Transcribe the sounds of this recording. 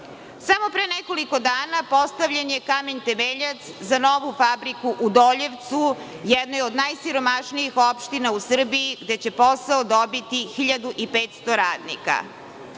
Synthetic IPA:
samo̞pɾenɛko̞liko̞d̪aːnapo̞st̪aʋʎenjekameɲt̪emeʎat̪szano̞ʋufabɾikuʔud̪oʎe̞ʋt̪su | jɛd̪nojeod̪najsiɾo̞maʂniixopʃt̪inausr̩biiɡd̪et͡ɕe̞po̞saod̪obit̪ixiʎad̪uʔipeːt̪st̪o̞ɾaːd̪nḭka̰

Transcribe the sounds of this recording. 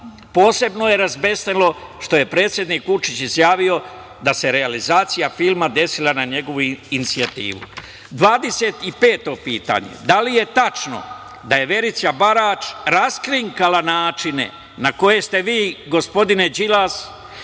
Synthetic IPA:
po̞ːse̞bno̞je̞ɾazbe̞st̪elˠo̞ʃt̪o̞je̞pɾe̞ːt̪sje̞d̪niːkʋut͡ʃit͡ɕizjaːʋio̞ | d̪ase̞ɾealizaːt̪sijafilˠmad̪e̞silˠanaɲe̞ɡo̞ʋuinit̪siat̪ḭːʋṵ | d̪ʋaːd̪e̞se̞t̪ipe̞ːt̪o̞piːt̪a̰ɲe̞̰d̪alije̞t̪at͡ʃno̰ | d̪aje̞ʋe̞ɾit̪sabaɾaːt͡ʃɾaskɾiŋkalanaːt͡ʃine̞̰ | nako̞je̞st̪e̞ʋiːɡo̞spo̞d̪ined͡ʒilas

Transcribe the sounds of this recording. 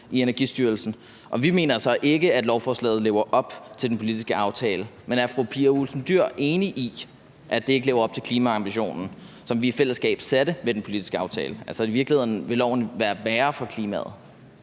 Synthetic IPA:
ʔienɐɡ̥isd̥yːɐl̩sn̩ | ʔɒ̽ʋime̝̰ːnɐsɒ̽ʔe̝ɡ̥əæd̥lɒʊfɒːslɛ̰ːð̞̩ˠle̝ːʊɐʔɒ̽b̥t͡sʰe̝ld̥en̩pʰo̝lid̥isɡ̥əɑ̈ʊt͡sʰɛːləmenæɐfʁopʰiɐulsn̩d̥yɐ̰ʔe̝ːniʔi | ʔæd̥e̝e̝ɡəleʊɐɒ̽b̥̚t͡sʰe̝̥kʰliːmæɑ̈mb̥iɕo̝̰ːnn̩ | sɒ̽mʋiːfel̰əsɡ̥ɛ̰ːb̥sed̥əmed̥enpʰo̝lid̥isɡ̥əɑ̈ʊt͡sʰɛ̰ːləʔælsɐiʋiɐɡ̥lihe̝ð̰ˠn̩ʋe̝lɒʊ̰nəʋæːɐʋæːɐfɒkʰliːmæ̰ð̞̩ˠ

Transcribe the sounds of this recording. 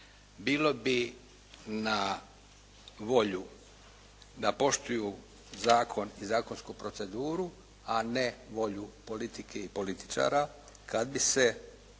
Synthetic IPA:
biːlo̞bi | na | ʋo̞ʎu | d̪apo̞ʃt̪uju | zaːkʰo̞nizaːko̞nskupɾo̞t̪se̞d̪uːɾu | aneʋo̞ʎupo̞lit̪ikʰeipo̞lit̪i̥t͡ʃa̰ːɾa | kad̪bise

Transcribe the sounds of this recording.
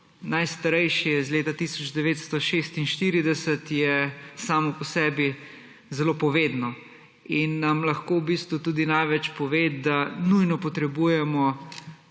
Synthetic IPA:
najst̪aɾɛjʃiɛzleːt̪at̪isɔd͡ʒd̪ɛʋeːt̪st̪ɔʃeːst̪inʃt̪iɾid̪ɛsət̪jɛsaːmɔpɔsɛːbi | zɛloːpɔʋeːd̪nɔ | inːamlɐxkowbist̪ʋut̪uːd̪inajʋɛt͡ʃpɔʋeːd̪anujnɔpɔt̪ɾɛbujɛmɔ

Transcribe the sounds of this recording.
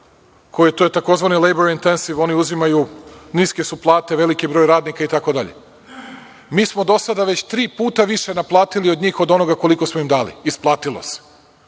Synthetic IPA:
kʰo̞jit̪ojet̪ako̞zʋanilejboɾint̪ensiʋo̞niuzimajuniske̞suplˠaːt̪e̞ʋe̞likibɾo̞ːjɾaːd̪nikait̪ako̞d̪aʎḛ | miːsmo̞d̪o̞sad̪aʋe̞t͡ɕt̪ɾiːpuːt̪aʋiʃe̞naplˠaːt̪iliod̪ɲiːxo̞d̪o̞no̞ɡako̞liko̞smoimd̪aːlḭisplˠaːt̪ilo̰se̥

